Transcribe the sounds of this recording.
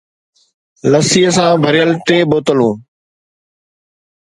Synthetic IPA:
ləsiːəsãːbʱəɾɪjəlt̪eːboːt̪əlũː

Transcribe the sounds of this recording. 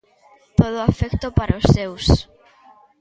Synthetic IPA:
t̪oð̞oafekt̪opaɾaosːews

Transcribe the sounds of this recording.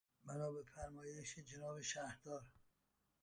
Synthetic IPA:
mænɒːbefæɾmɒːjeʃed͡ʒenɒːbeʃæhd̪ɒːɾ

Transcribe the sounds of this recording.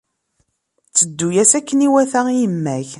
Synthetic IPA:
t͡sːəd̪ːujæsækːəniwæθæjəmːæç

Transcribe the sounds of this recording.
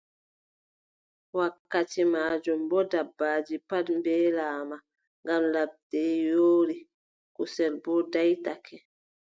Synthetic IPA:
wakːatimaːd͡ʒɔmbɔdabːaːd͡ʒipadmbɛːlaːma | ŋɡamlab̚dɛjoːɾi | kusɛlbɔdajtakʰɛ

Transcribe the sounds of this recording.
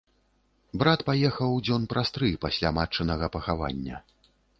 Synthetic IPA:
bɾat̪pajɛxɐwd͡zʲɔnpɾast̪ɾɨpasʲlʲamat͡ʂːɨnɐɣɐpɐxava̰nʲːɐ̰

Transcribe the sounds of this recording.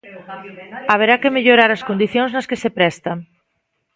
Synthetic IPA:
aβ̞eɾakemeʎoɾaɾɐskond̪iθjõŋznɐskesepɾɛst̪a

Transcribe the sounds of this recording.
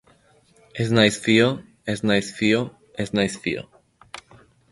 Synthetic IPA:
eznajsfio | esnajsfio | esnajsfio̰

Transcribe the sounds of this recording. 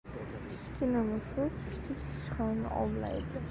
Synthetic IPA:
kʲʰɪ̥ʃkʲʰɪnɪmɪʊzkkʲʰɪ̥t͡ʃʰɪpʲsɪ̥ʃχanɪ̰ʔɒ̰mla̰jd̪ɪ

